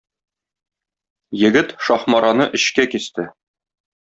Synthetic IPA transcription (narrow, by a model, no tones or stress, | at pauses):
jɘ̆ɡɘt̪ʃɒχmɑɾʔɑnɤʔɘ̆ɕkækist̪ɘ